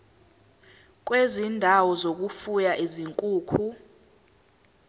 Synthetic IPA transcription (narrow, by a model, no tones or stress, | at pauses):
k̬ʼwezindʱawɔzok̬ʼufujaʔiziŋkʼuːkʰu